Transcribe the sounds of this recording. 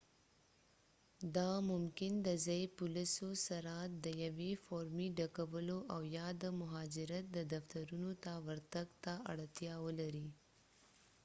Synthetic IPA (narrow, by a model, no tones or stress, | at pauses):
d̪ɑmʊmkɪnd̪əzɑjpʊlisosaɾat̪̚d̪əjawefɑɾmiɖakawəloʔawjɑd̪əmʊɦɑd͡ʒɪɾat̪̚d̪əd̪aft̪aɾunot̪awəɾt̪aɡt̪aa̰ɽt̪jɑwəlaɾi